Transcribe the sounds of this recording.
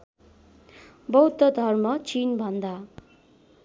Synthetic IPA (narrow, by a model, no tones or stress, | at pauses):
bʌwd̪ʌd̪ʱʌrmʌt͡sinbʱʌnd̪a